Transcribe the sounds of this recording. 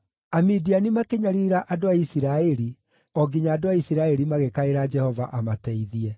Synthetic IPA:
amidianimakeɲaɾiɾaʔadoaisiɾaɛɾi | ɔɡiɲaːdoaisiɾaɛɾimaɣekaeɾad͡ʒɛhɔvaʔamatɛiðiɛ

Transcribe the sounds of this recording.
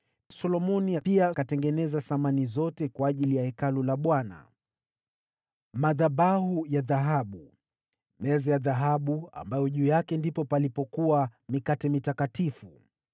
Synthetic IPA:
sɔlɔmɔnijapiakatɛŋɡɛnɛzaθamanizɔtɛkwaːʄilijahɛkalulaɓwana̰ | maðaɓahujaðaɦaɓu | mɛzɛjaðaɦaɓua̰mbajɔʄuːjakɛndipɔpalipɔkuwamikatɛmitakatifu

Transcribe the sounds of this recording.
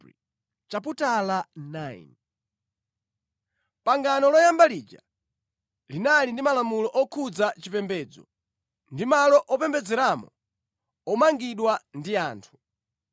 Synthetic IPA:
t͡ʃap̬utalanaḭn | paŋɡanɔlɔjambaliːd͡ʒa̰ | linalindimalamulɔʔɔkʰud͡zat͡ʃipɛmbɛd͡zɔ̰ | ndimalɔʔɔpɛmbɛd͡zɛɾamɔ̰ | ɔmaŋɡiɗwandiaːntʰu̥

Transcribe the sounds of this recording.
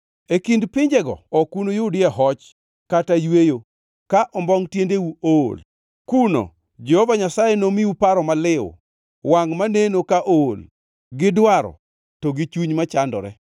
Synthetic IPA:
ekindpɪɲd͡ʒɛɡɔ̰ɔkunojʊdɪɛɦɔt͡ʃ | katajwejo | kaʔɔmbɔŋtjendewuol | kuno̰ | d͡ʒɛhɔvaɲasajenomiupaɾɔmalɪʊ̰ | waŋmanenokaʔol | ɡɪdwaɾɔ̰ | tɔɡɪt͡ʃuɲmat͡ʃandɔ̰ɾɛ̰

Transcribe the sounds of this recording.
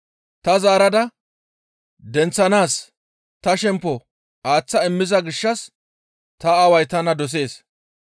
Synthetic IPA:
t̪ɐzaːɾɐd̪ɐ | d̪ɛnt͡sːɐnaːs | t̪ɐʃɛmpːɔ | aːt͡sːɐɪmːɪzɐɡɪʃːɐs | t̪ɐːwɐjt̪ɐnɐd̪ɔs̬e̞ːs

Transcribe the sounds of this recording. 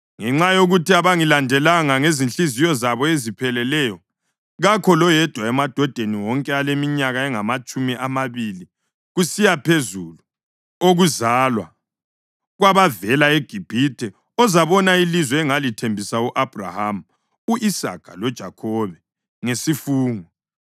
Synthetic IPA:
ŋɛŋ͡ǁajoɣutʰiaβaŋilandʱɛlaŋaŋezinɬizijɔzaβɔezipʰɛlɛlɛjɔ | ɣakʰɔlɔjɛd̥ʱwaɛmad̥ʱɔd̥ʱeniwɔŋkʼɛalemiɲaɣaɛŋamat͡ʃʼumiʔamaβili | ɣusijapʰezulu | oɣuzalwa̰ | ɣwaβavɛlaeɡ̥ʱib̥ʱitʰɛ | ɔzaβɔnailizwɛɛŋalitʰembʱisauʔab̥ʱra̰ham̩ | uʔisa̰kʰalɔd̥ʒ̥ʱakʰɔβɛ | ŋesifuːŋɔ

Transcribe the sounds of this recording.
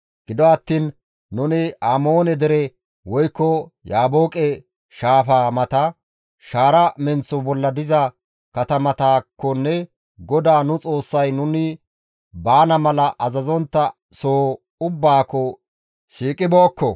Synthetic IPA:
ɡ̥ɪd̪ɔɐt̪ːiːnː | ʊnɪaːmo̞ːnɛd̪ɪɾɛ | wɔjkːɔjaːbo̞ːkʼɛ | ʃaːfaːmɐt̪ɐ | ʃaːɾɐmɛnt͡sːɔbɔlːɐd̪ɪzɐ | kɐt̪ɐmɐt̪aːkːɔnːɛ | ɡɔd̪aːnʊt͡sʼo̞ːsːɐjnʊnɪ | baːnɐmɐlɐʔɐzɐzɔnt̪ːɐ | soː | ʊbːaːkːɔ | ʃiːkʼɪboːkːɔ

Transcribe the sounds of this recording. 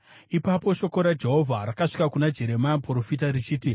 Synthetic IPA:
ipapo̞ʃo̞ko̞ɾad͡ʒe̞ɦo̞vʱaɾakaʂi̥kakunad͡ʒe̞ɾe̞majampro̞fitarit͡ʃiːti

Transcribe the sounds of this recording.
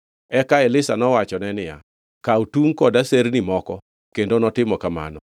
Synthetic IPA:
ɛkaɪlɪsanɔwat͡ʃɔnɛnɪja̰ | kautuŋkɔdaseɾnimɔkɔ | kendonɔtɪmɔkama̰nɔ

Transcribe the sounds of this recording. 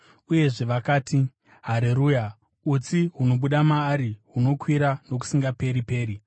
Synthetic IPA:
uje̞ʐe̞ʋakaːtʰi | ɦaɾeɾuːja | ut͡siɦuno̞ɓuɗamaːɾiɦuno̞kwiɾano̞k̬u̥siŋɡape̞ɾipe̞ːɾi

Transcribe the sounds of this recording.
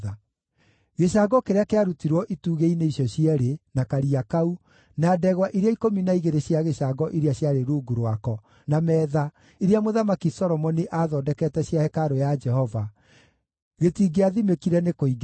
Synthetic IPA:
a | ɣeʃaɡɔkeɾeakeaɾutiɾwɔʔituːɣeineisjɔɕiɛɾenakaɾiakau | naːdɛɣwaʔiɾeaikominaiɣeɾeɕjaɣeɕaɡɔʔiɾeaɕjaɾeɾuːɡuɾwakɔ | namɛːða | iɾeamoðamakisɔɾɔmɔniʔaðɔːdɛkɛtɛɕjahɛkaɾojad͡ʒɛɦɔva | ɣetiːɡeaðimekiɾɛnekoiɡ

